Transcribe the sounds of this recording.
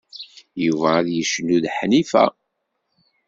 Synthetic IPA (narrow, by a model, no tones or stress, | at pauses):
juvæːðjəʃnːuðħnifæ̰